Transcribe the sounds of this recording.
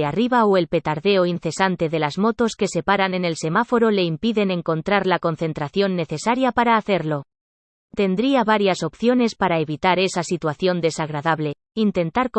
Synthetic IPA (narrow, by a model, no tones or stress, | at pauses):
ariβaoe̞lpe̞t̪aɾðe̞oinθe̞sant̪e̞ðe̞lazmo̞t̪o̞ske̞se̞paɾane̞ne̞lse̞mafo̞ɾo̞le̞impiðe̞ne̞ŋko̞nt̪ɾaɾlako̞nθe̞nt̪ɾaθjo̞nːe̞θe̞saɾjapaɾaːθe̞ɾlo̞ | t̪e̞nd̪ɾiaβaɾjaso̞pθjo̞ne̞spaɾaeβit̪aɾe̞sasit̪waθjo̞nd̪e̞saɣ̞ɾaðaβle̞ | int̪e̞nt̪aɾk